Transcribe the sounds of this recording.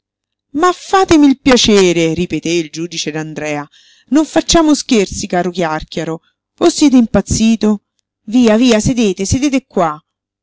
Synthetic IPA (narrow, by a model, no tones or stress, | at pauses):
mafːaːt̪emiːlpjat͡ʃeːɾeɾipet̪eild͡ʒuːd̪it͡ʃed̪and̪ɾɛːa | noɱfat͡ʃːaːmosk̟ert̪sikaːɾokjarkjaɾo | vosːjɛːt̪̬eimpat̪sːiːt̪o | viːaviːased̪eːt̪esed̪eːt̪ekːwa